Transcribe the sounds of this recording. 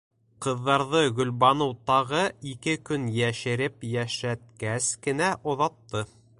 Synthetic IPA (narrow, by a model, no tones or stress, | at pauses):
qɤ̆ðːɑɾðɤɡɵ̆lβɑnɤwt̪ɑʁɤikɘkɵnjæʃɘ̆ɾɘpjæʃæt̪̚kæskɘ̆næʔŏðɑt̪ːɤ